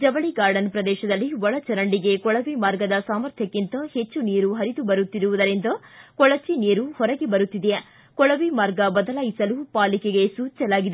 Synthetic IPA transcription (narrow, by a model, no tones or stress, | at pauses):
d͡ʒɐʋɐɭiɡaːɾɖɐnpɾɐd̪ɛːʃɐd̪ɐlːiʋɔɭɐt͡ʃɐɾɐɳɖiɡe̞kɔɭɐʋimaːɾɡɐd̪ɐsaːmɐɾt̪ʰjɐkːint̪ɐhe̞t͡ʃːuniːɾuɦɐɾid̪ubɐɾut̪ːiɾuʋud̪ɐɾind̪ɐkɔɭɐt͡ʃiniːɾuhɔɾɐɡebɐɾut̪ːid̪e | kɔɭɐʋimaːɾɡɐbɐd̪ɐlaːjisɐlupaːlikeɡe̞suːt͡ʃɐlaːɡid̪e